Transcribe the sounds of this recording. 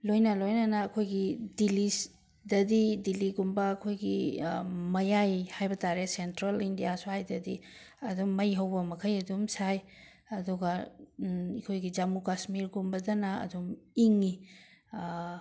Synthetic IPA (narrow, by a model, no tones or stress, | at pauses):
lojnɐlojnɐnɐːkʰojɡidili | dɐdidiliɡumbɐːkʰojɡi | mɐjajhajbɐtaɾesentɾalindijasuhajdɐdi | ɐdumːɐjɦɐwbɐmɐkʰɐjɐdumsaj | ɐduɡɐ | ikʰojɡid͡ʒamukasmiɾɡumbɐdɐnɐɐ̰dumiŋi